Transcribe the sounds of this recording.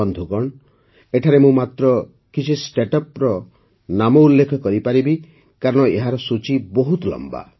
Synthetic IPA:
ɔnd̪ʱukɔɳ | eʈʰaɾemũmat̪ɾɔ | kit͡ʃʰisʈeʈɔpɾɔ | namɔulːekʰɔkɔɾipaɾibi | kaɾɔɽ̃ɔeɦaɾɔsut͡ʃibɔɦut̪lɔ̰mba̰

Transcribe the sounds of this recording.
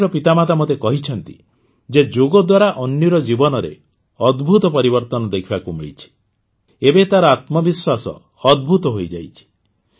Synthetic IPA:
ɾɔpit̪amat̪amot̪ekɔɦit͡ʃʰɔnt̪ḭ | d͡ʒed͡ʒoɡɔd̪waɾaʔɔnːɔɾɔd͡ʒibɔnɔɾḛ | ɔd̪bʱut̪ɔpɔɾibɔɾt̪ɔnɔd̪ekʰibakumiɭit͡ʃʰi̥ | ebet̪aɾɔat̪mɔbiswasɔ̰ː | d̪̚bʱut̪ɔɦojd͡ʒa̰jt͡ʃʰi̥

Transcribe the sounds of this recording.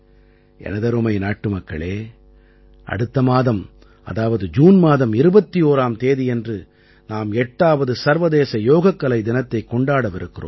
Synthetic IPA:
ʔɛ̰nɐðɐɾɯmɐɪnaːʈːɯmɐkːɐ̰ɭeː | ʔɐ̰ɽɯt̪ːɐmaːðɐm | ɐ̰ðaːʋɐðɯd͡ʒuːnmaːðɐmɪɾɯbɐt̪ːijoːɾaːmt̪eːðiɛndrɯ | naːmɛʈːaːʋɐðɯsɐɾʋɐðeːsɐjoːɣɐkːɐlɐɪd̪ɪnɐt̪ːɐɪkːɔɳɖaːɽɐʋɪɾɯkːɪro̰ːm

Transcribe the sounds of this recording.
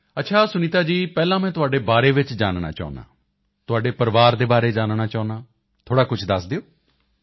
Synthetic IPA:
ət̪ːʃʰaːsʊniːt̪aːd͡ʒiːpɛːlãːmɛ̃ːt̪ʊɦaːɖeːbaːɾeːʋɪt͡ʃd͡ʒaːnɳa̰ːt͡ʃa̰ːna̰ː | t̪ʊɦaːɖeːpəɾʋaːɾd̪eːbaːɾeːd͡ʒaːnɳaːt͡ʃaːnãː | t̪ʰoːɽaːkʊt͡ʃʰd̪əsd̪eoː

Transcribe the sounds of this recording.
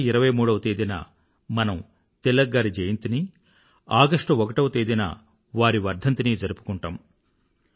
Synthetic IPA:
iɾɐʋɐjmuːɽɐʋɐt̪eːd̪inɐ̰ | mɐnɐm | t̪ɛlːɐɡːaːɾid͡ʒɐjɐnt̪ini | aːɡɐʂʈɐɔkɐʈɐʋt̪eːd̪inɐ̰ | ʋaːɾiʋɐɾd̪ʱɐnt̪iniːd͡ʒɐɾupu̥kuɳʈaːm

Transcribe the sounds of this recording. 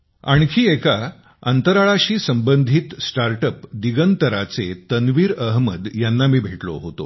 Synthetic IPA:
a̰ɳ̃kʰiːeka | ə̰nt̪əɾaɭaɕiːsəmbənd̪ʱiːt̪sʈaɾʈəpd̪iɡənt̪əɾat͡set̪ənʋiːɾəɦməd̪janːamiːbʱeʈlo̰ɦot̪o̰

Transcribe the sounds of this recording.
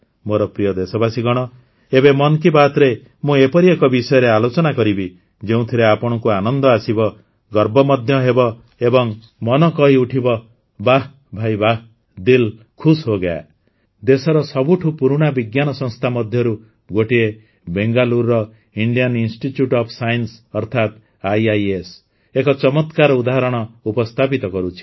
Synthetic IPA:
moɾɔpɾijɔd̪esɔbasiɡɔɽ̃ɔ | ebemɔnkibat̪ɾe | mũepɔɾiekɔbisɔjɔɾealot͡ʃɔnakɔɾibi | d͡ʒeũt̪ʰiɾeapɔɽ̃ɔkuanɔnd̪ɔasibɔ | ɡɔɾbɔmɔd̪ʱjɔɦebɔ | ebɔŋ | mɔnɔkɔɦiuʈʰibɔ | baɦ | bʱajbaɦ | d̪il | kʰusɦoɡaa̰ | d̪esɔɾɔsɔbuʈʰupuɾuɽ̃abiɡjanɔsɔ̃ŋst̪ʰamɔd̪ʱjɔɾu | ɡoʈie | beŋɡaluɾːɔ | iɳɖijɔninsʈiʈjuʈɔpʰsajnsɔɾt̪ʰat̪ | ajajes | ekɔt͡ʃɔmɔt̪kaɾɔud̪aɦɾɔɽ̃ɔupɔst̪ʰapit̪ɔkɔɾut͡ʃʰi̥

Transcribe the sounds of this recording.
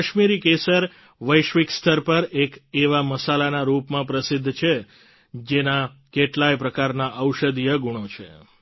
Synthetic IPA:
əʃmiɾikesəɾ | ʋəjʃʋikst̪ʰəɾpəɾekeʋaməsalanaɾupmãpɾəsɪd̪ʱːt͡ʃʰe | d͡ʒenakeʈlajpɾəkaɾnaʔəwʃəd̪ijəɡuɳ̃ot͡ʃʰḛ

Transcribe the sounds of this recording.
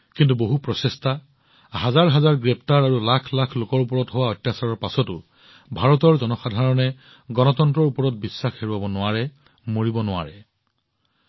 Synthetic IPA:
kintuboɦupɹɔsesta | hazaɹɦazaɹɡɹɛp̚taɹaɹulakʰlakʰlokɔɹupɔɹɔtɦowaɔjtːasaɹɔɹpasɔtʊ | bʱaɹɔtɔɹzɔnɔxadʱaɹɔnɛ | ɡɔnɔtɔntɹɔɹupɔɹɔt̚bisːaxheɹuabɔnʊaɹɛ | moɹibɔnʊwa̰ɹɛ

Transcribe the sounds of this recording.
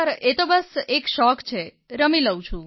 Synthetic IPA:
ɾet̪obəsekʃɔkt͡ʃʰe | ɾəmiləwt͡ʃʰũ

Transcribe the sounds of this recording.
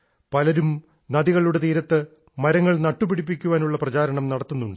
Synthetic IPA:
pɐlɐɾum | nɐðiɣɐɭuɽe̞t̪iːɾɐt̪ːɨ | mɐɾɐŋːɐɭnɐʈːupiɽip̬ːikʲːuʋaːnuɭːɐprɐt͡ɕaːɾɐɳɐmnɐɽɐt̪ːunːuɳɖɨ

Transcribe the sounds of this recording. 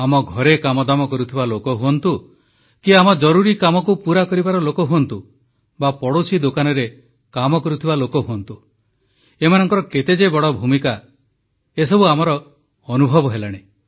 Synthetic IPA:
amɔɡʱɔɾekamɔd̪amɔkɔɾut̪ʰibalokɔɦuɔnt̪u | kiamɔd͡ʒɔɾuɾikamɔkupuɾakɔɾibaɾɔlokɔɦuɔnt̪u | bapɔɽosid̪okanɔɾe | kamɔkɔɾut̪ʰibalokɔɦuɔnt̪u | emanɔŋkɔɾɔket̪ed͡ʒebɔɽɔbʱumika | esɔbuamɔɾɔː | nubʱɔbɔɦelaɽ̃e

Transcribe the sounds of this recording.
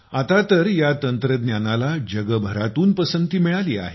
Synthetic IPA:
at̪at̪əɾjat̪ənt̪ɾəd̪njanalad͡ʑəɡəbʱəɾat̪uːnpəsənt̪iːmiɭaliːa̰ɦe

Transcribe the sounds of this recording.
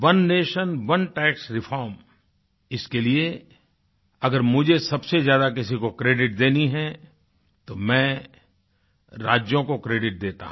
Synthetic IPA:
ʋɐnːeːʃənʋɐnʈɛːksɾɪfʰɔːɾm | ɪskelie | ɐɡəɾmʊd͡ʒʱesɐbsezjaːd̪ak̬ɪsikokɾeːɖɪʈ̚d̪eːniɦɛ | t̪omɛ̃ː | ɾa̰ːd͡ʒjõkokɾeːɖɪʈ̚d̪eːt̪a̰ɦ

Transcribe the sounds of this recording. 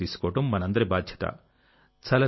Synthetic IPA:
iːsu̥kɔːɐʈɐmːɐnɐɐnd̪ɐɾibaːd̪ʱjɐ̥t̪ɐ̰ | t͡ʃɐlɐ

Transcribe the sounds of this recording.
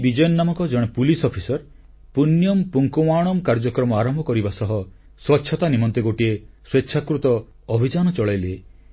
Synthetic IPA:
bid͡ʒɔjɔnːamɔŋkɔd͡ʒɔɽ̃epulisɔpʰisɔɾ | punjɔmpuŋkɔmaɽ̃ɔmkaɾd͡ʒɔkɾɔmɔaɾɔmbʱɔkɔɾibasɔɦɔ | swɔtːʃʰɔt̪animɔnt̪eɡoʈiesweʃʰakɾut̪ɔː | bʱid͡ʒanɔt͡ʃɔɭajle

